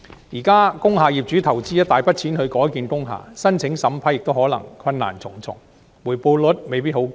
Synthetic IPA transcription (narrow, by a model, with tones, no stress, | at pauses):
jiː˨˩kaː˥kʊ˥ŋɦaː˨˧jiː˨p̚t͡ʃyː˨˥t̪ʰɐ˨˩wt͡siː˥jɐ˥t̪aː˨jpɐ˥t̚t͡sʰiː˨˥nhɵ˨˧ɥkɔː˨˥jkiː˨nkʊ˥ŋɦa̰ː˨sɐ˥nt͡sʰɪ˨˧˥ŋsɐ˨˥mpʰaː˨˥jɪ˨k̚t̪o˥whɔː˨˥lɐ̰˨˩ŋkʰwɐ˧nna̰ː˨˩nt͡sʰʊ˨˩ŋt͡sʰʊ̰˨˩ŋ | muː˨˩jpo˧wlɵ˨˥t̚me˨jpiː˥t̚ho˨˧˥w